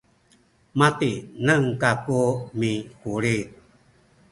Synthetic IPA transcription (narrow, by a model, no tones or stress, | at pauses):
mat̪inəŋkakumikuɾit̚